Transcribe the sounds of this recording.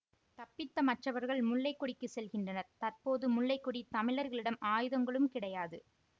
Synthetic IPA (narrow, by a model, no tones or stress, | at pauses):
t̪ɐpːɪt̪ːɐmɐʈːrɐʋɐɾɣɐɭmʊɭːɐɪkːɔɽɪkːɯsɛlɣɪndrɐnɐɾt̪ɐrpoːðɯmʊɭːɐɪkːɔɽit̪ɐmɪɭɐɾɣɐɭɪɽɐmʔaːjɯðɐŋɡɐɭɯmkɪɽɐjaːðɯ